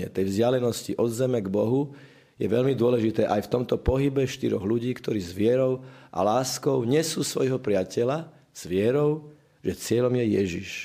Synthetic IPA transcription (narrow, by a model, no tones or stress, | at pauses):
ɛ̰t̪ɛjvzɟɪalɛnɔsciʔɔd̪zɛmɛɡbɔɦu | jɛʋɛʎmid̪ʊɔlɛʒit̪ɛːʔajft̪ɔmt̪ɔpɔɦibɛʃt̪iɾɔɣluɟiːkt̪ɔɾiːzʋɪɛɾɔʊʔa̰laːskɔʊɲɛsuːsʋɔjɦɔpɾɪacɛla | z̥ʋɪɛɾɔʊ | ʒɛt͡sɪɛʎɔmjɛjɛʒiʃ